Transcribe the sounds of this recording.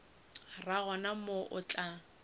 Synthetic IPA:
raɣɔnamoʔʊt͡ɬʼa

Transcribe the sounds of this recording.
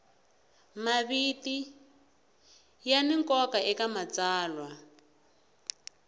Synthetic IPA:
maβiti | janiŋkɔkaʔɛkamat͡saːlwa

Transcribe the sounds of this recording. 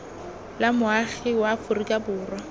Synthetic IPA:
lamʊaχɪwaːfʊrikʼabʊːrwa

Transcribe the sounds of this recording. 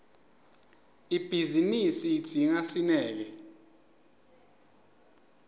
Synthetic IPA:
ib̥ʱizinisiːd̥d̥ʱiŋasinɛːk̬ɛ

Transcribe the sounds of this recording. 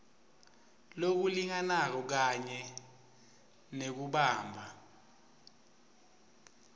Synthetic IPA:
lok̬uliŋanak̬ɔk̬aɲɛ | nek̬uɓaːmbʱa

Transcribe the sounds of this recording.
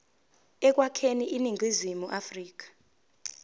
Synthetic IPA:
ɛk̬wakʰeniʔiniŋɡwizimuʔafriːk̬ḁ

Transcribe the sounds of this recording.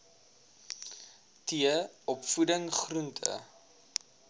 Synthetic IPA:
tiəɔpfudəŋχruntʰə̰

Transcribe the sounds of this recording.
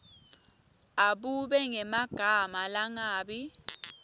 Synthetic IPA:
aɓuɓɛŋɛmaɡ̥ʱamalaŋaːɓi

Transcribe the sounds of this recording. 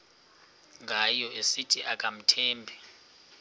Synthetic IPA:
ŋɡʱajɔʔesitʼʰiʔakʼam̩tʰɛːmbʱɛ

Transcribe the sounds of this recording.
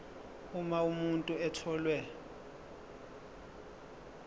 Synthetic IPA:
umaumuntʼuɛtʰɔːlwɛ

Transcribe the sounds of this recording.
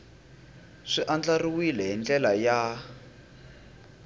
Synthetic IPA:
ʂiʔand͡ɮariwilɛɦind͡ɮɛlaja

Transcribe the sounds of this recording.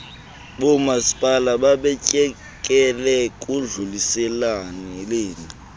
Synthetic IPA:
ɓɔmasi̥pʼalaɓaɓɛcʼɛ | kʼɛlɛkʼuɮulisɛlanileːni

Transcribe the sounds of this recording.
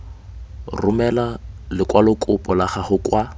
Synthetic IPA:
rʊmɛlalɪkʼwalʊkʼʊpʼɔlaχahʊkʼwa

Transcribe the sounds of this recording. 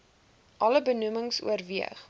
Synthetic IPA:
ʔɐləbənuməŋsṵərviə̰χ

